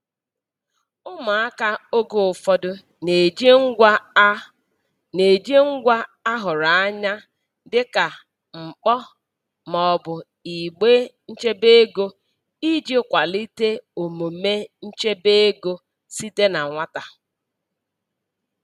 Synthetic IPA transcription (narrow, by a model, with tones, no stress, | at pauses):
ʊ˦ma˨a˦ka˦o˦ɡo˨ʊ˨fɔ˦dʊ˦ | ne˨d͡ʒŋ̩˦ | ne˨d͡ʒe˦ŋ̩˦ɡʷa˦a˦ɦʊ˨ɾa˨a˦ɲa˦ | dɪ˦ka˨ | ŋ͡m̩˨k͡pɔ˦ | mɔ˨bʊ˨ | i˨ɡ͡be˦n̩˦t͡ʃe˦be˦e˦ɡo˦ | i˦d͡ʒi˦kʷa˨li˦te˦o˨mo˨me˦n̩˦t͡ʃe˦be˦e˦ɡo˦ | si˦te˦na˨ŋʷa˦ta˨